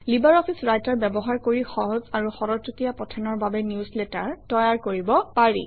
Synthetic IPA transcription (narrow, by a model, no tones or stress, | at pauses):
libaɹɔpʰisɹajtaɹbɛbɔɦaɹkoɹixɔɦɔzaɹuxɔɹɔutijapɔtʰɛnɔɹbabɛniusletaɹtɔjaɹkoɹibɔpaɹḭ